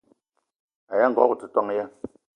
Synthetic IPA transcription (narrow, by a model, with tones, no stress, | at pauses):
a˨ja˦ŋ̩˨ɡɔ̰˦ku˨t͡sɨ˨tɔ˦ŋ˦ja˦